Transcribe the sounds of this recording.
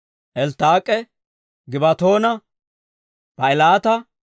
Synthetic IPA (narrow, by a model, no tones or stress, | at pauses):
ʔɛlt̪aːkʼɛ | ɡɪbɐt̪o̞ːnɐ | pɐɪlaːt̪ɐ